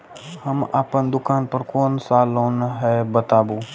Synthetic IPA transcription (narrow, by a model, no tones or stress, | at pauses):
həmaːpənd̪ʊkaːnpəɾkoːnsaːloːnɦɛːbət̪aːboː